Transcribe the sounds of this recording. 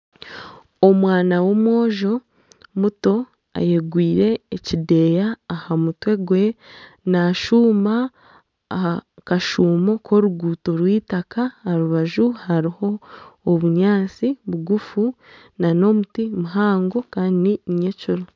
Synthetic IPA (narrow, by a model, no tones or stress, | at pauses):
omwaːnawo̞mwo̞ːʒo̞ | muto̞ | a̰jeɡwiːɾe̞ːcide̞ːjaːhamutwe̞ɡwe̞naʃuːma | akaʃuːmo̞kʰo̞ɾuɡuːto̞ɾwiːtakaaɾuβaʒuhaɾiho̞ːβuɲaːt͡siβuɡufu | nano̞mutimuɦaːŋɡo̞kaːndiɲecuɾo